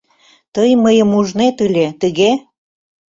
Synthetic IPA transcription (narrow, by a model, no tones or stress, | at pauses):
t̪əjməjəmuʒnet̪əlʲet̪əɣe